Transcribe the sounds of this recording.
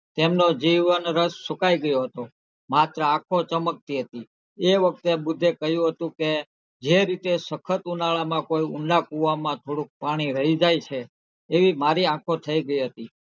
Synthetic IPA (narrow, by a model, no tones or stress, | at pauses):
t̪emnod͡ʒiʋənɾəsːukaiɡəjoɦət̪o | mat̪ɾəãkʰot͡ʃəmək̚t̪iɦət̪i | eʋək̚t̪ebʊd̪ʱːekəɦjũɦət̪ũke | d͡ʒeɾit̪esəkʰət̪unaɭamãkoiuɳɖakuʋamãt̪ʰoɽũk̚paɽ̃iɾəɦid͡ʒajt͡ʃʰeː | ʋimaɾiãkʰot̪ʰəiɡəiɦət̪i